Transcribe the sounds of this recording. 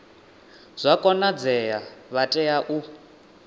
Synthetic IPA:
z̥ʷakʼɔnad͡zɛjaβatʼɛjaʔu

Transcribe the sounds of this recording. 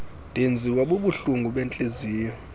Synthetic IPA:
dʱend͡zʱiwaɓuɓuɬuŋɡʱuɓent͡ɬʼeziːjɔ

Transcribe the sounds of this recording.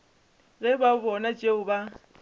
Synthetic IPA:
ɣɛbabɔnat͡ʃʼeʊba

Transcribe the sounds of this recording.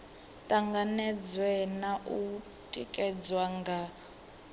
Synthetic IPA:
tʼaŋɡanɛd͡zwɛnaʔu | tʼikʼɛd͡zwaŋɡa

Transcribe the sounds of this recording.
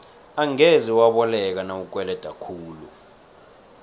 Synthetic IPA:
aŋeziwaɓɔlɛk̬anawuk̬wɛlɛd̥ʱakʰuːlu

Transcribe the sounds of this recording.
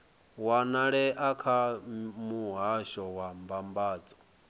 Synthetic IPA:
wanaɺɛʔakʰamuɦaʃɔwambambaːd͡zɔ̥

